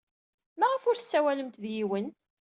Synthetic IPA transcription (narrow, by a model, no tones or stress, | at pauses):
mæʁəfʊɾθə̥sːæwæləmt̪ðjiwən